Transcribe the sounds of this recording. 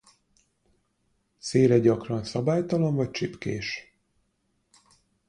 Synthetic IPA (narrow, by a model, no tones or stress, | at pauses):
seːɾɛɟɒkrɒnsɒbaːjt̪ɒloɱvɒc̚t͡ʃipkeːʃ